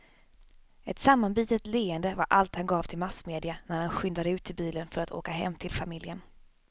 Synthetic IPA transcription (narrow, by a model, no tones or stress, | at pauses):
ɛt̪samːanbiːt̪ət̪leːənd̪əvaɾʔalt̪hanɡɑːvt̪ʰɪlmasmeːd̪ɪanæɾhanɧʏnd̪ad̪əʉ̟ːt̪ʰːɪlbiːlənfœɾat̪ʰo̰ːkaɦɛ̰mːt̪ʰɪlfamɪljən